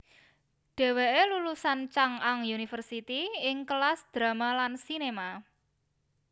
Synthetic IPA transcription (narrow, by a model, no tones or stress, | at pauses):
ɖ̥ɛ̤weʔelulusant͡ʃaŋaŋjunifərsit̪iɪŋkəlasd̪̥ɾa̤malansinema